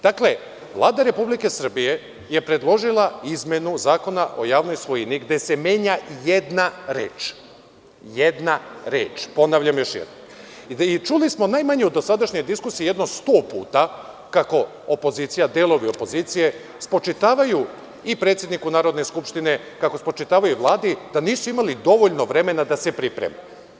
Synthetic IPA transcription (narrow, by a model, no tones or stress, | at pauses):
d̪̥akle̞ | ʋlˠaːd̪aɾe̞publike̞sr̩bije̞ | je̞pɾe̞d̪lˠo̞ʒilˠaizmʲjenuzaːko̞naʔo̞̰jaːʋno̞jsʋo̞jiniɡd̪e̞se̞mje̞ːɲaje̞d̪naɾḛːt͡ʃ | jed̪naɾḛːt͡ʃpo̞naʋʎʲamjo̞ʃjḛd̪nom | it͡ʃulismo̞najmaɲeud̪osad̪aʃɲo̞jd̪iskusiijed̪nost̪oːpṵːt̪a | kako̞ | opo̞ziːt̪sijad̪eːlo̞ʋio̞po̞zit̪sije̞ | spo̞t͡ʃit̪aːʋaju | ipɾet̪sje̞d̪nikunaːɾod̪ne̞skupʃt̪ine̞ | kako̞spot͡ʃit̪aːʋajuʋlˠaːd̪id̪̥aniːsuimalid̪o̞ʋo̞ʎno̞ʋɾe̞me̞nad̪asepɾipɾḛme